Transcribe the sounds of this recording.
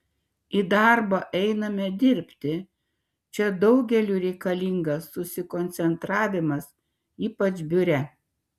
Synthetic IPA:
id̪ɑɾboːʔɛɪnɐmʲɛd̪ʲɪɾʲpʲt̪ʲɪ | t͡ʃʲɛd̪ɒʊɡʲɛlʲuːɾʲɛɪkɐlʲiŋɡɐsːʊsʲɪkɔnʲt̪sʲɛnt̪ɾɑːʋʲɪmɐs | iːpɐt͡ʃbʲʊɾʲɛ

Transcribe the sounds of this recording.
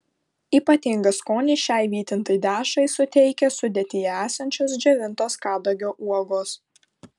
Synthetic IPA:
iːpɐt̪ʲɪŋɡɐskoːnʲɪʃʲæɪʋʲiːt̪ʲɪnt̪ɐɪd̪ʲæːʃɐɪsʊt̪ʲɛɪkʲɛsʊd̪ʲɛːt̪ʲɪjɛæːsɐnʲt͡ʃʲoːs̬d͡ʒʲɛʋʲɪnˑt̪oːskɑːd̪ɐɡʲoːʔuɔɡoːs

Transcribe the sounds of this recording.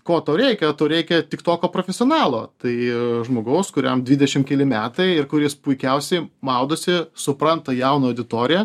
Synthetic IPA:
koːt̪oːɾʲɛɪkʲɛt̪oːɾʲɛɪkʲɛt̪ʲɪkt̪oːkʲoːpɾofʲɛsʲɪoːnɑːlˠoːt̪ɐɪʒmoːɡɐʊskʊɾʲɛ̰md̪ʲʋʲiːd̪ʲɛʃʲɪmkʲɛlʲɪmʲæːt̪ɐɪɪɾkʊɾʲɪspʊɪkʲɛʊsʲɛɪmɐʊd̪oːsʲɪsʊpɾɐnt̪ɐjɛʊnɐɐʊd̪ʲɪt̪oːɾʲɪjɛ

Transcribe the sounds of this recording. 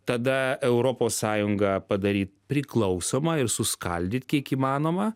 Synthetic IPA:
t̪ɐd̪ɐɛʊɾoːpoːssɑːjʊŋɡɐpɐd̪ɐɾʲiːt̪̚pʲɾʲɪklˠɐʊsoːmɐɪɾsʊskɐlʲd̪ʲɪt̪kʲiɛkiːmɑːnoːmɐ

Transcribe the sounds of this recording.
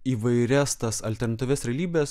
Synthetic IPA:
iːʋɐɪɾʲæst̪ɐsɐlʲt̪ʲɛɾnɐt̪ʲːʋʲeːsɾʲɛlʲiːbʲeːs

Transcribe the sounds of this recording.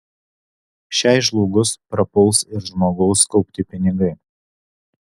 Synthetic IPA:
ʃʲæˑɪʒlˠuːɡʊspɾɐpʊlˠsɪɾʒmoːɡɔʊskɒʊpʲt̪ʲɪpʲɪnʲɪɡɐɪ

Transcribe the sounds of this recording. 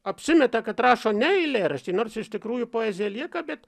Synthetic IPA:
ɐpʲsʲɪmʲɛt̪ɐkɐt̪rɑːʃoːnʲɛɛɪlʲeːɾɐsʲt̪ʲiːnoːrsɪʃt̪ʲɪkɾuːjʊpoːeːzʲɪjɛlʲiɛkɐbʲɛt̪

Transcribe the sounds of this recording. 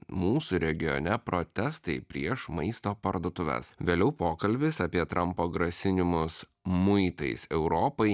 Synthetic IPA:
muːsuɾʲɛɡʲɪjɔ̰nʲɛpɾot̪ʲɛst̪ɐɪpʲɾʲiɛʃmɐɪst̪oːpɐɾd̪oːt̪ʊʋʲɛ̰sʋʲeːlʲɛʊpoːkɐlʲbʲɪsɐpʲiɛt̪ɾʔɐmpoːɡɾɐsʲɪnʲɪmʊs | mʊɪt̪ɐɪsɛʊɾɔpɐɪ

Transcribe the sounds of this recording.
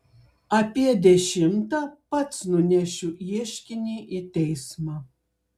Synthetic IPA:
ɐpʲiɛd̪ʲɛʃʲɪmt̪ɐpɐt̪snʊnʲæʃʲʊiɛʃʲkʲɪnʲiːʔit̪ʲɛɪsmɑ

